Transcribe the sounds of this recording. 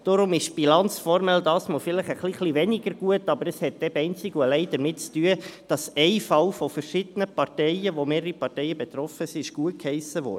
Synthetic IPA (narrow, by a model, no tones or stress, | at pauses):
d̥ɔɾʊmɪʃb̥ilɑnt͡sfɔɾmɛldɑːsmɑlfɪləχəχliχliʋɛnɪɡəɾɡ̥uətɑbəɾəshɛtːɛbɛɪnt͡sɪɡuəlɛɪd̥̪əɾmɪtt͡styəd̥ɑsɛɪfɑwfɔfəɾʃɪd̥̪ənəpɑrtɛɪəʋomeːɾəɾəɾipɑrtɛɪəbɛt̪ɾɔfəsiɪʃɡ̥uət̚khɛɪsəʋɔ̰də